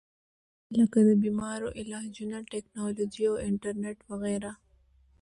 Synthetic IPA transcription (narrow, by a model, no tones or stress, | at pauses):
ləkad̪əbimɑɾoʔɪlɑd͡ʒunaʈeknɑlod͡ʒiawɪɳʈəɾneʈwaɣɛɾa